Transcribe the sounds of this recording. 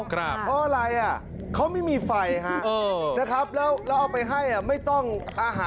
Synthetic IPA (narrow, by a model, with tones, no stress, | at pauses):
kʰɾa˦˧˥pʰɔ˦˥ʔaː˧ɾa˧jʔa˨˩ | kʰa˦˥wma˥˩jmiː˧fa˧jɦa˥ʔʔɤː˧na˦˥kʰɾa˦˥p̚lɛː˦˥wlɛː˦˥wʔaː˧˩wpa˧jɦa˥˩jʔa˨˩ma˥˩jt̪ɔ˥˩ŋʔaː˧ɦaː˨˦